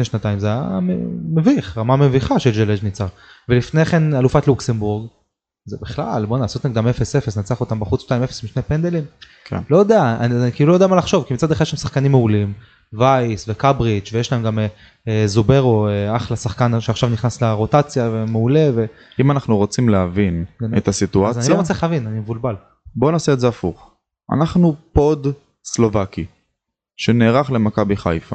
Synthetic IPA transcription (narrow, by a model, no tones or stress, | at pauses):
ʃneʃnat̪ajimzeajaemeviχʁamameviχaʃelʒeled͡ʒnit͡saʁ | velifne̞χe̞nalufat̪luksembuʁɡ | zebiχla̰lbo̞naːsot̪naɡd̪amefesefesnat͡seaχot̪ambaχut͡sʃtajimefe̥smiʃnepend̪elim | klojod̪eaannikilulojodeamalaχʃo̞vkimit͡sad̪eχad̪jeʃemsaχkanimːeulim | vajsvekabʁit͡ʃvejeʃlae̞mɡame | ezobe̞ʁo̞eaχlasaχkanʃeaχʃavniχnasleʁo̞t̪at͡sjave̞meule̞ve̞ | imanaχnuʁot͡simleavinenet̪asit̪uazaniloot͡seeχavinanimevulbal | bo̞naseːtzeafuχ | ʔa̰naχnupo̞d̪ | slo̞vaki | ʃeneːʁaχle̞makabiχa̰jfa